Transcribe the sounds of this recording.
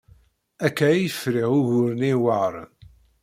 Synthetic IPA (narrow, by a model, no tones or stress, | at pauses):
ækːæijəfɾiʁʊʝʊɾəniwaɾˤ